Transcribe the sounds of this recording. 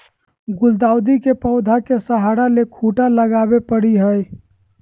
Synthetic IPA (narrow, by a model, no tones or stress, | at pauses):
ɡʊld̪aːʊd̪ikepəʊd̪ʱakesəɦaɽalekʰuʈaləɡaːbepəɽiɦəj